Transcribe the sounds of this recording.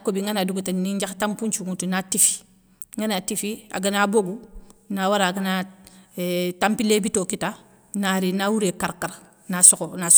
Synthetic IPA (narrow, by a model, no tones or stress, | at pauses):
kobiŋɡanaduɡutaniɲd͡ʒaxtampuɲt͡ʃuŋutunatifi̥ | ŋɡanatifia̰ɡanaboɡunawaɾaːɡana | tampilebitokita | naɾinawuɾekaɾkaɾ | nasokonas